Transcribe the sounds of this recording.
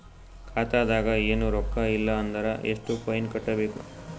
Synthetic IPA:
kʰaːt̪aːd̪aːɡɐeːnuɾɔkːɐilːɐːnd̪ɐɾɐʔḛʂʈupʰɐjnkɐʈːɐbe̞ːku

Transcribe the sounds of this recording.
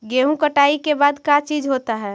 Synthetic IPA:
ɡeːɦũkəʈaːikebaːd̪kat͡ʃiːd͡ʒɦot̪aɦɛː

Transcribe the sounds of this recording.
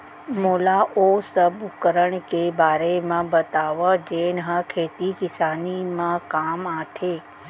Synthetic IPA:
molaʔosəbukəɾəɳkebaːɾemãbət̪aʋəd͡ʒenəɦə̃kʰet̪ikɪsanimãkamat̪ʰe

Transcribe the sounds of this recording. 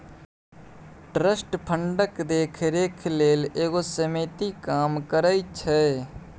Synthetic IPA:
ʈɾəsʈpʰəɳɖəkd̪eːkʰɾeːkʰleːleːɡoːsəmeːt̪ikaːmkəɾaːit͡ʃʰɛː

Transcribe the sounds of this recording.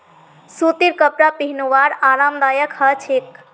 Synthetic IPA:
sut̪iɾkəpɾapiɦinuʋaɾaɾamd̪ajəkʰhət͡ʃʰek̚

